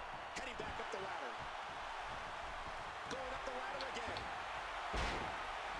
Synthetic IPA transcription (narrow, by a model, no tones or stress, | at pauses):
hʰɛɾibækʌp̚ðəlæɾə̰˞ | ɡ̥oʊɨ̃ɾʌp̚ðəlæɾə˞əɡɛ̃n